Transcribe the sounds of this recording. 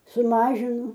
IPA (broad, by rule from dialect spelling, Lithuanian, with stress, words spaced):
sʊˈmɑːʒʲɪnʊ